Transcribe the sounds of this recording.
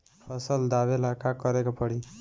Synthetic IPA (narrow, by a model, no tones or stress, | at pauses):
pʰʌsəld̪abelakakʌɾekopʌɽi